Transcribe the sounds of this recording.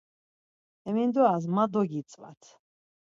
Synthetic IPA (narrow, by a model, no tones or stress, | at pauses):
ɛmind̪ɔas̬mad̪ɔɡit̪sʼva̰t̪ʰ